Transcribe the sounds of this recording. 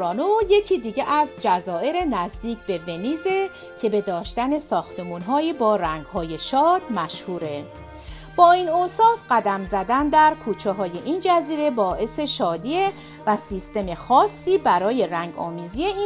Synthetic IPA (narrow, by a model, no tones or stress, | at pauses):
ɒːnoje̞cʰiːd̪iːɟeʔæzd͡ʒæzɒːʔe̞ɾe̞næzd̪iːcʰbe̞ve̞niːze̞ | cʰe̞be̞d̪ɒːʃt̪æne̞sɒːxt̪ʰe̞muːnɦɒːiːbɒːɾæŋɡɦɒːje̞ʃɒːd̪̥mæʃhuːɾe̞ | b̥ɒːiːnoːsɒːfɢæd̪æmzæd̪ænd̪æɾkʰuːt͡ʃʰeɦɒːje̞ʔind͡ʒæziːɾe̞bɒːʔe̞se̞ʃɒːd̪iːe | væsist̪e̞me̞xɒːsːiːbæɾɒːje̞ɾæŋɡɒ̰ːmiːzije̞i